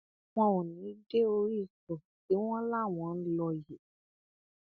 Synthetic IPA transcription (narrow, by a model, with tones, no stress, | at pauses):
w̃ɔ̃˧wɔ̃˨nĩ˨˦de˦o˧ɾi˦˨sɔ˨ti˨˦w̃ɔ̃˦la˦˨w̃ɔ̃˨˦n̩˦lɔ˧je˨